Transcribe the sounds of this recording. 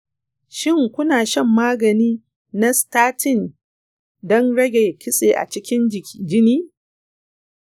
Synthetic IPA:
ʃɪ˦ŋkʷʊ˦naː˨ʃɐ˦˨mːaː˦ɡɐ˨niː˦ | na˦staː˦tʰɪ˦˨n | dɔ˦nɽɐ˦ɡʲe˨kʲɪ˦sʼeː˨ʔa̰˨t͡ʃɪ˦kʲɪ˦nd͡ʒɪ˨kʲʰi˨d͡ʒɪ˦niː˦

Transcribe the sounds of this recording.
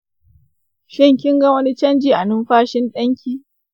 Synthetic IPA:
ʃɪ˦ŋkʲɪ˦ŋɡɐ˦wɐ˦ni˦t͡ʃɐ˦nd͡ʒiː˨ʔa˨nʊ˦mɸaː˦ʃɪ˦nɗɐ˦ŋkʲiː˦

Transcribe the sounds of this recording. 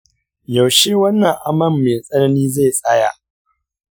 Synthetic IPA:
jɐ˨wʃeː˦wɐ˦nːɐ˨ŋʔa˦mɐ˦˨mːeː˨sʼɐ˦nɐ˦niː˦ze˦˨sʼaː˦ja̰˨ʔ

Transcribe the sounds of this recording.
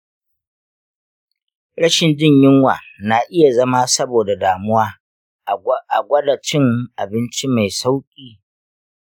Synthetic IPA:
ɽɐ˦ʃɪ˨nd͡ʒɪ˦˨ɲjɪ˦ŋwa̰ː˨na˨ʔɪ˦ja˨zɐ˦ma˦sɐ˦boː˨da˨daː˨mʊ˦waː˦˨ | ʔa̰˨ɡʷɐ˦da˨t͡ʃɪ˦ŋʔa˨bɪ˦nt͡ʃi˦ma˨jsa˦wkʲʼiː˦

